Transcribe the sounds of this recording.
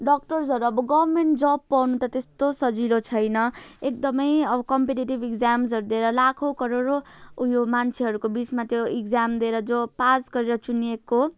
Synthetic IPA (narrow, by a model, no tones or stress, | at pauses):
ɖʌk̚ʈʌrs̬ʌɾuʌbʌɡʌbmeɳʈ̚d͡zʌbpːʌwnut̪ʌt̪est̪osʌd͡zilot͡sʰʌjnʌek̚d̪ʌmʌjʌbʌkʌmpeʈiʈibikd͡zams̬ʌɾud̪ieɾʌlakʰokʌɾoɾoujomant͡sʰeɦʌɾukobit͡smat̪joikd͡zamd̪ieɾʌd͡zopasɡʌɾeɾʌt͡sunijeko